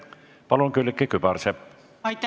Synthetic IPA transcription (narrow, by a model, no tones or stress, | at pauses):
pɑlunkylːkːekybɑrsep | ɑ